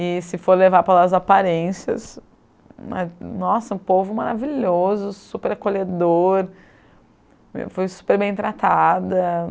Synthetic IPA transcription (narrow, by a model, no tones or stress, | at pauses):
ɪsɪfoɾlevaɾpɾɐlaɐzapaɾẽsiɐ̰s | ma̰nɔsɐ̃povʊmaɾa̰viʎozʊsupeɾakoʎed̪oɾ | fojsu̥peɾbẽj̃t̪ɾat̪ad̪ɐ